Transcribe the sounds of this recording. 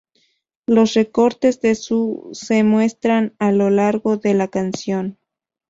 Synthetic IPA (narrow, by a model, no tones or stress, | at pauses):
lo̞sre̞ko̞ɾt̪e̞zðe̞suse̞mwe̞st̪ɾanalo̞laɾɣo̞ðe̞lakansjo̞n